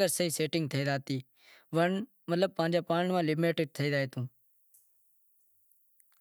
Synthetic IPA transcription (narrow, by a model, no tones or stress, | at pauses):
əɾsəɦiːseːʈɪŋɡ̚t̪ʰəiːd̪aːt̪iː | ʋəɳ | mət̪ləb̚pãːnd͡ʒaːpaːɳmãːlɪmeːʈɪɖ̚t̪ʰəiːd̪aːeːt̪ʰũː